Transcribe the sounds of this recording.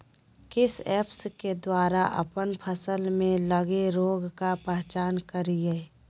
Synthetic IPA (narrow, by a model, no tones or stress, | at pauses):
kɪsɛːpsked̪waːɾaʔə̰pənpʰəsəlmẽləɡeɾoːɡkapɛɦt͡ʃaːnkəɾieː